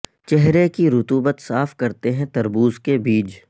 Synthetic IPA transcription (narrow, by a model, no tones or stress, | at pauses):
t͡ʃɛɦɾekiɾʊt̪uːbət̪saːfkɐɾt̪eɦɛ̃t̪ɐɾbuːzkebiːd͡ʒ